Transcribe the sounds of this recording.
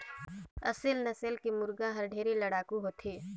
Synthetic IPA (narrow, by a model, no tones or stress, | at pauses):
əsɪlnəselkimʊɾɡãɦəɾɖʱeːɾiləɽaːkuɦoːt̪ʰiː